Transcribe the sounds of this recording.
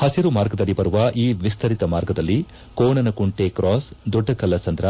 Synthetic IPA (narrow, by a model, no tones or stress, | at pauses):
hɐsiɾumaːɾɡɐd̪ɐɭːibɐɾuʋɐʔiːʋist̪ʰɐɾit̪ɐmaːɾɡɐd̪ɐlːi | koːɳɐnɐkuɳʈekɾaːsd̪ɔɖːɐkɐlːɐsɐnd̪ɾɐ